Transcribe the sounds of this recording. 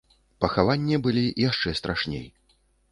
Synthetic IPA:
pɐxavanʲːibɨlʲijaʂt͡ʂɛst̪ɾʔaʂnʲḛj

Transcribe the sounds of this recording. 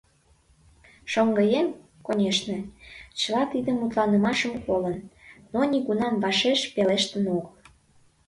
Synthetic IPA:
ʃoŋɡəjem | konʲeʃnet͡ɕə̆lɑt̪id̪əmut̪lɑnəmɑʃəmkolənːonʲiɣunɑmvɑʃeʃpeleʃt̪ənoɣəl

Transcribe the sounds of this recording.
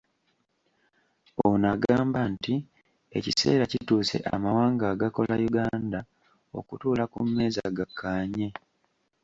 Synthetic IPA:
onaɡaːmbanti | e̞̰cise̞̰ːɾacituːse̞̰ʔa̰mawaːŋɡaːɡako̞lajuɡaːnda | o̞̰kutuːlakumːe̞ːzaɡakʰːaːɲe̞

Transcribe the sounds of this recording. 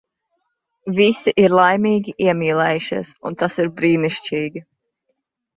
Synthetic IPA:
visiʔiɾlˠajmiːɡʲiʔiɛmiːlɛjʃisṵnt̪asiɾbɾiːniʃt͡ʃiːɡʲi

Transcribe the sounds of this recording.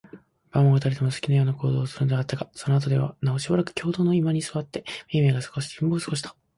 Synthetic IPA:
b̥ãmoɡat̪aɾet̪e̞mosɨ̥kʲinajo̞ːnako̞ːd̪o̞ːsɨɾɯ̟nod̪eat̪ːaɡaso̞noat̪̬o̞d̪e̞βa̰nao̞ɕibaɾakɯ̟̥kʲʰo̞ːd̪o̞ːno̞imaɲ̟isɨβat̪ːe̞mʲeme̞ːɡasɨ̥ɡoɕi̥t̪imboːsɨ̥ɡo̞ɕ̬i̥t̪ʰḁ

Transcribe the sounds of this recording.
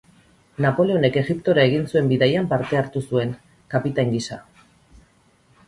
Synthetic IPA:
napo̞le̞o̞ne̞ke̞ɣipt̪o̞ɾae̞ɣ̞insue̞mbiðajampaɾt̪e̞aɾt̪usue̞ŋ | kapit̪aŋɡisa

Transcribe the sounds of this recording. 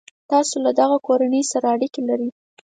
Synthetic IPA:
t̪ɑsolad̪aɣakoɾanəjsaɾaːɽikelaɾi

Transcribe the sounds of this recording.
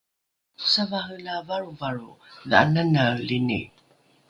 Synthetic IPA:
u̥savaɦənavaɾuvaɹuðəa̰nanalinḭ

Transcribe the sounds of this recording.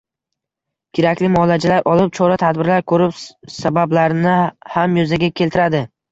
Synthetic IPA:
kʲʰeɾakʲlɪmɒlad͡ʒalaɾʔɒlˠɪp̚t͡ʃʰɒɾat̪ʰad̪bɪɾlaɾkʰɵɾɪpsabablaɾnɪhamjozaɡʲakʲʰe̞lt̪ʰɪɾad̪ɪ

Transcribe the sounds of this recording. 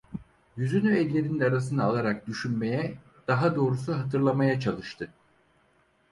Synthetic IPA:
jyzynyɛlʲlːʲe̞ɾininaɾas̬ɯnɯːlˠaɾak̚d̪yʃynme̞jɛ | d̪̥aɦad̪o̞ːɾusuɦat̪ʰɯɾlˠamajat͡ʃʰalˠɯʃt̪ʰɯ

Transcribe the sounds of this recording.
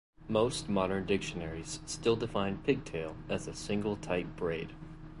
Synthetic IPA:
moʊst̚mɑɾə̃˞ndɪkʃɨnɛɹiz̥stɪlˠdɨfãɪ̃npʰɪɡ̚tʰeɪlˠɨzɨsɪ̃ŋɡl̩ˠtʰaɪp̚b̥ɹeɪd̥

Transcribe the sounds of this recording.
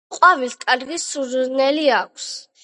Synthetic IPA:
qʼwavit̪kʼaɾɡisuɾnɛliakʷʰs

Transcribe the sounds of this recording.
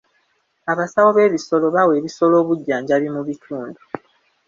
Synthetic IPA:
aβasawoβe̞ːβiso̞lo̞βawe̞ːβiso̞lo̞ːβuɟːaːɲɟaβimuβitʰuːndu

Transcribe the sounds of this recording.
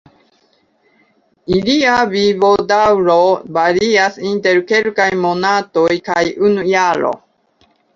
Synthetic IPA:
iliavivo̞d̪awɾobaɾiasint̪eɾkelkajmonat̪ojkajunujaɾo̰

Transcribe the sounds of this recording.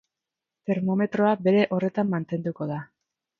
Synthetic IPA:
t̪e̞ɾmo̞me̞t̪ɾo̞abe̞ɾe̞ʔo̞re̞t̪amːant̪e̞nd̪uko̞ða

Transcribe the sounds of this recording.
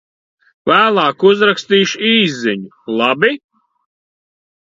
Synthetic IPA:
væːlˠaːkuzɾakst̪iːʃiːzːiɲu | lˠabi

